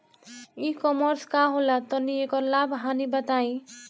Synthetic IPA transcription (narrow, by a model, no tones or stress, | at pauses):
ikɔmɔɾskaɦolat̪ɔniekɔlabʱɦanibʌt̪aĩ